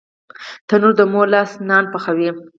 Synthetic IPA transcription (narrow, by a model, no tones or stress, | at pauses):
t̪anuɾd̪əmolɑsnɑnpaxawi